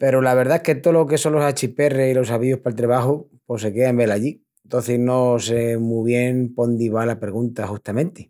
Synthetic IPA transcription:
pe̞ɾolaβ̞e̞ɾðaehke̞t̪olokeso̞nlosat͡ʃipe̞reilo̞saβiohpalt̪ɾeβaxu | po̞se̞keambe̞laʎi | nt̪oθeznosemuβ̞je̞ŋpo̞nd̪iβalapɾeɣunt̪axust̪amẽnt̪e

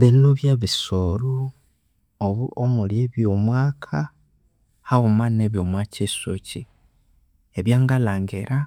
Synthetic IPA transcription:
βinoβjaβisoɾo | oβuomuljeβjomwaːkʰa | haɣumaneβjomwaːcesoci | eβjaːŋɡalaːŋɡeɾa

